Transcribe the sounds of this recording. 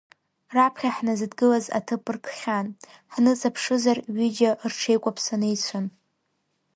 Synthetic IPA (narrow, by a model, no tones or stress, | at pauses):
rapʰχʲaħnazɨdɡɨlaza̰tʰɨpʼɨrkʰχʲan | ħnɨt͡sʼapʰʂɨzarɥid͡ʒeoʔrʈ͡ʂʰe̞jkʷʼapʰsanejt͡sʷʰan